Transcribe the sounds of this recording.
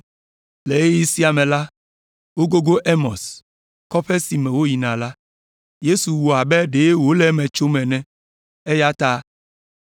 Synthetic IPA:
le˨e˦ji˦si˦a˨mɛ̃˨la˦ | wo˦ɡo˦ɡo˦ʔe˦mɔ̃˨s | kɔ˦ɸɛ˦si˨mɛ̃˨wo˦ji˨nã˨la˦ | je˦su˨wu˨a˨bɛ˦ɖe˨˦wo˦lɛ˦mɛ̃˨t͡ʃo˦mɛ̃˨nɛ̃˦ | e˦ja˦t̪a˦

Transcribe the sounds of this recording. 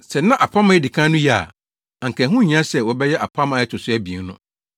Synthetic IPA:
sɛ˨nã˦ʔa˨pʰã˦mã˦ɛ˦dɪ˨kʰã˦nʊ̃˦ji˦a̰˨ | ã˨ŋ̩˨kʰɛ̃˨˦ɦũ˦ɲ˨˦ã˦sɛ˨wɔ˨bɛ˦jɛ˦ʔa˨pʰã˦ma˨jɛ˦tʰʊ˨sʊ˦ɛ˦bi˨e˨ŋ˦nʊ̰̃˦

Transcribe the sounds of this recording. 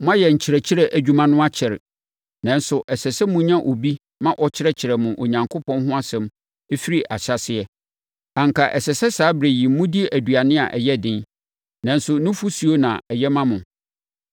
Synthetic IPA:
mʊ̃˦a˦jɛ˨ɲ̩˨t͡ɕʰɪ˨ɾɛ˨t͡ɕʰɪ˦ɾɛ˨ʔæ˨d͡ʑᶣu˦mã˦nʊ̃˦a˦t͡ɕʰɪ˨ɾ | nã˨n˦sʊ˨ʔɛ˨sɛ˨sɛ˦mʊ̃˦ɲã˦ʔo˨bi˦ | mã˦ʔɔ˨t͡ɕʰɪ˦ɾɛ˦t͡ɕʰɪ˨ɾɛ˨mʊ̃˨ʔo˨ɲã˨ŋkʰo˦pʰɔ̃˦nɦʊ̃˦a˦sɛ̃˨˦m | e˦fi˦ɾi˨ʔa˨ɕa˦˨sɪ˦ɛ˨ | ã˨ŋ˨kʰa˨ʔɛ˨sɛ˨sɛ˦saː˨˦bɾæ˨jĩ˨˦mʊ̃˦di˦ʔæ˨du˨a˨nɪ̃˦a̰˨ʔɛ˨jɛ˦dɪ̃˦n | nã˦n˦sʊ˨nʊ̃˦fu˦su˨o˦nã˨ɛ˨jɛ˦mã˦mʊ̃˨

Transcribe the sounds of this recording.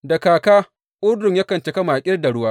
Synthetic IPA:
da˨kaː˨kaː˦ | ʔʊ˦ɽdʊ˨ɲja˦kɐ˨nt͡ʃe˦kɐ˦maː˨kʲʼɪ˦rda˨ɽʊ˦waː˦

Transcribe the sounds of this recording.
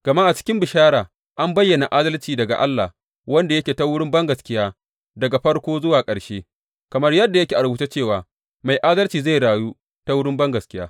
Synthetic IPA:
ɡ̥ɐ˨ma˦ʔa˨t͡ʃɪ̥˦kʲɪ˦mbɪ˨ʃaː˦ɾaː˨ | ʔa˦mbɐ˦jːɐ˨na˨ʔaː˦dɐ˦lt͡ʃiː˨dɐ˨ɡa̰˨ʔa̰˦lːa̰˨ | wɐ˦nda˨jɐ˦kʲeː˨ta˦wʊ˦ɽɪ˦mbɐ˦ŋɡɐ˨skʲɪ˦jaː˦ | dɐ˨ɡa˨ɸɐ˦ɽkʷoː˦zʊ˦waː˨kʼɐ˨ɽʃeː˦ | kɐ˨mɐ˦rjɐ˦dːa˨jɐ˦kʲeː˨ʔa˨ɾbu˦t͡ʃa˦t͡ʃeː˦˨waː˨ | ma˨jʔaː˦dɐ˦lt͡ʃiː˨za˦˨ɽaː˨juː˦ | ta˦wʊ˦ɽɪ˦mbɐ˦ŋɡɐ˨skʲɪ˦jaː˦

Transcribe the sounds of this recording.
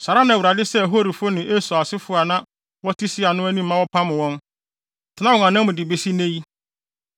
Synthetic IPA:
sa˨ɾa˦nã˨wu˨ɾa˨dɪ˦sɛ˦˨ɦo˦ɾi˨fo˦nɪ̃˨ʔe˦sɔ˨a˨sɪ˦fʊ˨˦a˨nã˦ | wɔ˦tʰi˦sɪ˦a˨nʊ̃˦æ˦nĩ˦m̩˦mã˦wɔ˦pʰã˦mɪ̃˨wɔ̃˦n | tʰɪ˨nã˦ɔ˨ŋã˨nã˦mʊ̃˨dɪ˨be˨si˦nẽ˦ji˦

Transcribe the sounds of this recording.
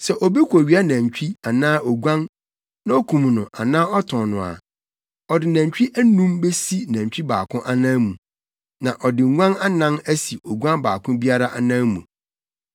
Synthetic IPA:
sɛ˨ʔɔ˨bi˦kʰʷɔ˨ɥi˨˦a˦næ̃˨ɲ˨t͡ɕᶣi˦a˨nãː˦ʔɔ˨ɡʷã˦n | nã˦o˦kʰũ˨m˨nʊ̃˨ʔa˨nãː˦ɔ˦tʰɔ̃˨nʊ̃˨a̰˨ | ɔ˨dɪ˨næ̃˨t͡ɕᶣi˦ʔæ˦nũ˦mbe˦si˦næ̃˨ɲ˨t͡ɕᶣi˦baː˨kʰʊ̃˦ʔa˦nã˦mũ˨ | nã˨ʔɔ˨dɪ˨ŋ˦ŋʷã˦na˦nã˦næ˦si˨ʔo˨ɡʷã˦nbaː˨kʰʊ̃˦bi˦a˦ɾa˦ʔa˨nã˦mṵ̃˨

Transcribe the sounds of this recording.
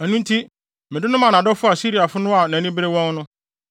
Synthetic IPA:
æ˨nũ˦n̩˦tʰi˦ | mɪ̃˨dɪ˦nʊ̃˦mã˨nã˨dɔ˦fʊ˦a˨si˦ɾi˨a˨fʊ˦nʊ̃˦a˨nã˨nĩ˦bɾe˦wɔ̃˦ŋ˦nʊ̃˦

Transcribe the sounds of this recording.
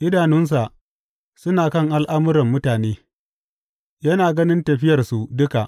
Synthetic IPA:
ʔɪ˦daː˨nʊ˦ns̬a˨ | sʊ˦naː˨kɐ˦˨ŋʔa˦lʔa˦mʊ˦ɾɐ˨mːʊ˦taː˨neː˦ | jɐ˦naː˨ɡɐ˦nɪ˦ntɐ˨ɸɪ˦jɐ˨rsu˨dʊ˦ka˨ʔ

